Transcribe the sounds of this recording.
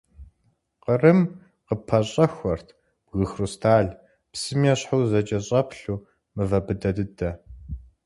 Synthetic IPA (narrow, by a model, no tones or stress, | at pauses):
qərɨm | qəpʰɐɕʼɐxʷɔrtʰ | b̥ɣɨxrustʰaːɮ | psɨmjɛɕħuwzɐt͡ʃʼɐɕʼɐpʰɬuː | mɨvɐbɨdɐdɨdɐ